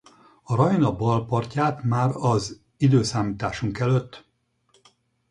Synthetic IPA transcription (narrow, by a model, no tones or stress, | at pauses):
ɒɾɒjnɒbɒlpɒrcaːt̪maːɾɒz | id̪øːsaːmiːt̪aːʃuŋkɛløt̪ː